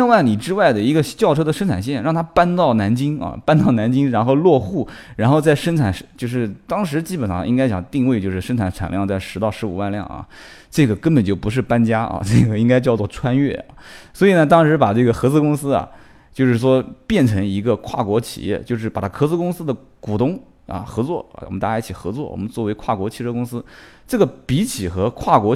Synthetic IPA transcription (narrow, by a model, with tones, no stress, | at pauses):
wa˥˩nli˨˩ʈ͡ʂɻ̩˥wa˥˩ɪd̪ə˩i˧˥ɡə˧t͡ɕjɑ˥˩ʊʈ͡ʂʰɤ˥d̪ə˨ʂə˥nʈ͡ʂʰa˨˩nɕ̬jɛ˥˩nɻɑ˥˩ŋt̪ʰa˥pa˥nt̪ɑ˥˩ʊna˧˥nt͡ɕi˥ŋɐ̰˧˩pa˥nt̪ɑ˥˩ʊna˧˥nt͡ɕi˥ŋɻa˧˥nxo˥˧ʊlwɔ˥˧xu˥˩ɻa˧˥nxo˥˧ʊt͡sa˥˩ɪʂə˥nʈ͡ʂʰa˨˩˦nʂt͡ɕjo˥˧ʊʂɻ̩˥˩t̪ɑ˥ŋʂɻ̩˧˥t͡ɕi˥pə˨˩nʂɑ̰˥˧ŋʔi˥ŋka˥ɪt͡ɕjɑ̰˨˩ŋt̪i˥˧ŋwe˥˧ɪt͡ɕjo˥˧ʂɻ̩˥˩ʂə˥nʈ͡ʂʰa˧˥nʈ͡ʂʰa̰˨˩nljɑ˥˧ŋt͡sa˥˩ɪʂɻ̩˧˥t̪ɑ˥˩ʊʂɻ̩˧˥u˨˩wa˥˧nljɑ̰˥˩ŋɐ̰˩ | ʈ͡ʂɤ˥˩ɡə˩kə˥npə˨˩nt͡ɕjo˥˩ʊpu˧˥ʂ̬ɻ̩˥˩pa˥nt͡ɕja˥ɐ̰˧˩ʈ͡ʂɤ˥˩ɡə˩i˥ŋka˥ɪt͡ɕjɑ˥˧ʊt͡swɔ˥˩ʈ͡ʂʰwa˥nɥɛ˥˩ɐ̰˩swɔ˧˥i˨˩nə˧˦t̪̬ɑ˥ŋʂɻ̩˧˥pa˨˩ʈ͡ʂɤ˥˩ɡə˩xɤ˧˥t͡swɔ˥˩kʊ˥ŋsɹ̩˥ɐ̰˨˩ | t͡ɕjo˥˧ʊʂɻ̩˥˩ʂwɔ˥pjɛ˥˩nʈ͡ʂʰɤ˧˥ŋi˧˥ɡə˧kʰwa̰˥˩kwɔ˧˥t͡ɕʰḭ˨˩jɛ̰˥˧t͡ɕjo˥˧ʊʂ̬ɻ̩˥˩pa˨˩t̪ʰa˥xʰɤ˧˥t͡sɹɔ˥˧kʊ˥ŋsɹ̩˥d̪ə˨ | ku˨˩t̪ʊ˥˩ŋ | ɐ̰˧xɤ˧˥t͡swɔ̰˥˩w̰mə˦t̪a˥˩ja˥t͡ɕʰi˨˩xɤ˧˥t͡swɔ˥˩wɔ̰˨˩mə˦nt͡swɔ˥˩we˧˥ɪkʰwa˥˩kwɔ˧˥t͡ɕʰi˥˧ʈ͡ʂʰɤ˥˧kʊ˥ŋsɹ̩˥ | ʈ͡ʂɤ˥˩ɡə˩pi˧˥t͡ɕʰi˨˩xɤ˧˥kʰwa˥˩kwɔ˧˥